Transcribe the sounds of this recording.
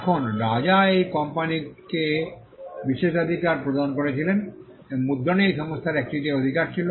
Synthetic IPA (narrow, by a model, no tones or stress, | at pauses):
kʰonɾad͡ʑaejkɔmpanike | biʃeʃad̪ʱikaɾpɾod̪ʱankoɾet͡ɕʰilen | mud̪ʱːoneejʃɔŋost̪ʰaɾɛk̚ʈiʈiod̪ʱikaɾt͡ɕʰilo